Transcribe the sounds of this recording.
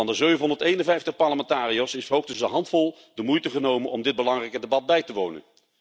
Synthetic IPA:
ɑndəzøɥvənɦɔndəɹtejnənvɛjftəχpɑɹləmɛntaːriosɪsfəɦowχtəzəɦɑntfɔlˠ | dəmujtəχənowmənʔɔmdɪd̚bəlɑŋrɛjkədebɑd̚bɛjtəʋownə̰n

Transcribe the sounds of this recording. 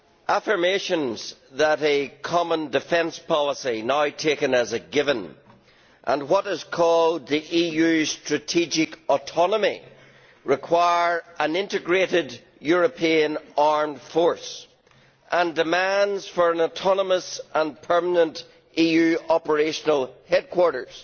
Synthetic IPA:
ʔafə˞meʃə̃nzðəɾɨkʰɑmə̃ndɨfɛ̃nspʰɑlˠəsinaʊtʰekə̃nəzəɡɪvə̃n | ʔə̰̃nwʌɾɪz̥kʰɔlˠd̪̚ðiʔijʉstɹ̥ɨtʰid͡ʒɪkɔtʰɔnəmi | ɹɪkʰw̥aɪə˞ʔə̃nɪ̃ntɨɡɹeɾɪd | jʊɹəpʰiə̃naɹm̥fɔɹs | ʔə̃ndɨmãndz̥fə˞ə̃nətʰɑnəməsʔə̃npʰɜ˞mənə̃nt | ʔijʉɔpə˞eʃənəl̩ˠhɛd̚kʰw̥ɔɹɾə˞z̥

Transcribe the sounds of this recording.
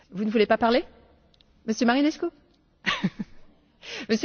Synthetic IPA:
vunəvulepapaʁle | məsjəmaʁinɛsko | məs

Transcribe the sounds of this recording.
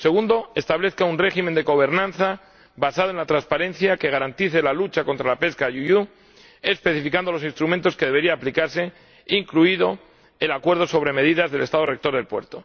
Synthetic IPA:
se̞ɣ̞und̪oe̞st̪aβle̞θkaunre̞ximend̪e̞ɣo̞β̞e̞ɾnãnθa | basað̞oe̞nlat̪ɾanspaɾẽ̞nθjake̞ɣ̞aɾant̪iθelalut͡ʃako̞nt̪ɾalape̞skajuju | espe̞θifikand̪olo̞sinst̪ɾument̪o̞skeðee̞ɾiaːplikaɾse̞ | iŋkluiðo̞ | elakwe̞ɾð̞o̞so̞β̞ɾe̞me̞ðiðazðe̞le̞st̪aðore̞k̚t̪oɾðe̞lpwe̞ɾt̪o̞

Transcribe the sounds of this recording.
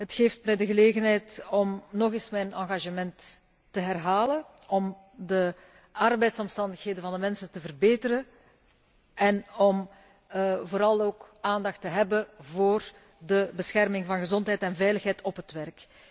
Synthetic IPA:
ɦətxeːftmɛjdəɣəleːɣənɦɛjtɔmnɔɣɪsmɛjnɑ̰̃ŋɣaʒəmɛntː | əɦɛrɦaːlən | ɔm | də | ɑrbɛjtsɔmstɑndəxɦeːdənvɑndəmɛnsəntəvərbeːtəɾə | ɛnɔm | voːɾɑlˠoːkaːndɑxtəɦɛbəvoːr | dəbəsxɛrmɪŋvɑnɣəzɔntɦɛjtɛnvɛjləxɦɛjtɔpɦətwʋɛrk

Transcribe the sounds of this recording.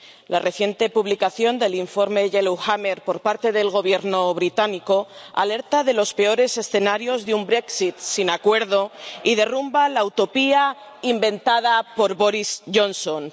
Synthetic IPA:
lare̞θje̞nt̪e̞puβlikaθjo̞nd̪e̞liɱfo̞ɾme̞ʝeluxame̞ɾpo̞ɾpaɾt̪e̞ðe̞lɣ̞o̞β̞je̞ɾno̞βɾit̪aniko̞a̰le̞ɾt̪aðe̞lo̞spe̞o̞ɾe̞se̞sθe̞naɾjo̞zðeumbɾe̞ksit̪sinakwe̞ɾðoiðe̞rumbalawt̪o̞pia | imbẽ̞nt̪aðapo̞ɾβo̞ɾisʝo̞nso̞n

